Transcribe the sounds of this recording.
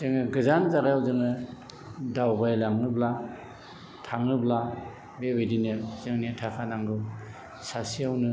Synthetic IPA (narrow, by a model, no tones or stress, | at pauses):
zeŋɯɡɯzanzaɾajawzɯŋnɯ | dawbajlaŋnɯbla | tʰaŋnɯbla | bebedinɯzɯŋnitʰakʰanaŋɡɯ | sasijawnɯ